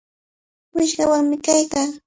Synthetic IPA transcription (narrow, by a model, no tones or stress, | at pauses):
wɪʃɢɑwaŋmɪkajkaː